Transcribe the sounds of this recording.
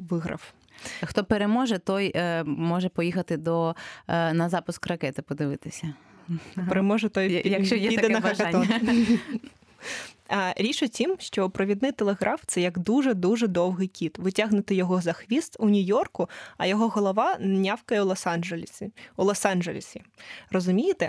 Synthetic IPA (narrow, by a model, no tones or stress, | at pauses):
ʋɪɦɾɐ̰w | xt̪ɔpeɾemɔʒɛt̪ɔjmɔʒɛpɔjixɐt̪ɪd̪ɔ | nɐzɑpʊskrɐkɛt̪ɪpɔd̪ɪʋɪt̪ɪsʲɐ | peɾemɔʒɛt̪ɔjjɐjɛid̪ɐɐnɐɐʒɔ | ɐɾʲit͡ʃʊt͡sʲimʃt͡ʃɔpɾɔʋʲid̪nɪjt̪elˠeɣɾʔɑft̪sɛjɐɡd̪uʒɛd̪uʒɛd̪ɔwɦɪjkʲit̪ʋɪtʲaɦnʊt̪ɪjɔɦɔzɐxʋʲist̪ʊnʲʊjɔrkʊɐ̰jɔɦɔɦɔlˠɔʋɑnnʲɑwkɐjɛlˠɔsɑʒlʲulˠɔsɑnʒelʲḭsʲirɔzʊmʲijɪt̪ɛ